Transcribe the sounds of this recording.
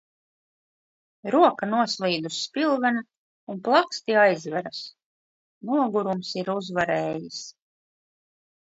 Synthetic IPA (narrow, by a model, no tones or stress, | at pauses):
ɾuɔkanuɔslˠiːd̪usːpilˠvɛna | unplˠakst̪iajzvæɾas | nuɔɡuɾumsiɾuzvaɾɛːjis